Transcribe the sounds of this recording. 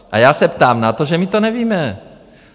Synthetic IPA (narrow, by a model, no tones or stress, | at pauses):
ʔajaːsɛpt̪aːmnat̪o̞ʒɛmɪt̪o̞nɛviːmɛ